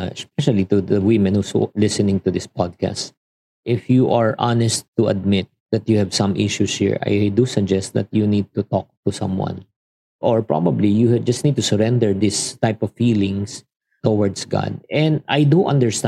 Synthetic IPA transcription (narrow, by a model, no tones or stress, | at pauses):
ɛsp̚ɛʃalit̪ud̪əwɪ̃mɛ̃nhuslɪsɨnɪ̃ŋt̪ud̪ɪspad̪̚ka̰st | ʔɪfjuʔaɹʔanɛst̪ːuɐd̪̚mɪt̪̚d̪ɐt̪juhɛvsɐ̃mʔɪʃushḭɹa̰jd̪usɐd͡ʒɛst̪̚d̪ɐ̰t̪̚junid̪̚t̪ut̪ɔk̚t̪usʌ̰̃mwã̰n | ʔɔɹpɹa̰bɐblijud͡ʒɐst̪nid̚t̪usəɹɛ̃nd̪ɛɹd̪ɪst̪ajpɔvfiːlɪ̃ŋs | t̪ɔwɔɹd̪sɡa̰d̪̚ɛ̃nd̪ajd̪uʔɐ̰̃nd̪əɹst̪